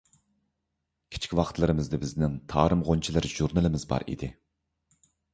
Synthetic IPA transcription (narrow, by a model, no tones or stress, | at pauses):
kʲʰi̥t͡ʃʰkʲiwɑχt̪lˠɨɾɨmɨzd̪ɛbɪznɪŋt̪ʰɑːɾɨmʁont͡ʃʰilˠɨɾʒ̥uɾnɨlˠɨmɪzbɑ̰ɾḭd̪ɪ